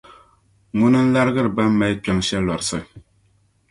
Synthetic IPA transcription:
ŋʊ˦nɨ˦n̩˦la˦ɾɨ˦ɡɨ˦ɾɨ˨ba˦mː˦a˨jk͡pɛ˨ŋʃɛ˦lɔ˨ɾɨ˨sɨ˦ɨ˨

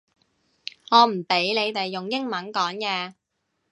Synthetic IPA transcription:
ŋɔː˨˧m̩˨˩pe˨˥jnle˨˧jt̪e˨jːʊ˨ŋjɪ˥ŋmɐ˨˥nkɔː˨˥ŋkɛː˧

